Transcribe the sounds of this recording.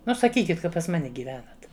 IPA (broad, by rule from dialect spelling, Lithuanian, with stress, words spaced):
ˈnʊ sɐˈkʲiːkʲɪt ˈkɐ pɐs ˈmɑːnʲɛ ɡʲiːˈʋʲæːnɐt